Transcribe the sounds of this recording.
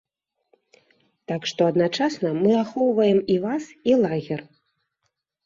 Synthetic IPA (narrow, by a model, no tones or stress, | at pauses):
t̪akʂt̪ɔɐd̪nat͡ʂasnɐmɨaxɔwvɐjɛmivasilˠaɣʲɛr